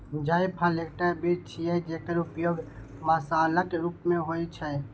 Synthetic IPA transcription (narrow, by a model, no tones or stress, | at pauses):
d͡ʒaipʰalekʈəbʱit͡ʃʰijɛd͡ʒekəɾupjoːɡ | məsaːləkeɾupmẽɦoit͡ʃʰɛ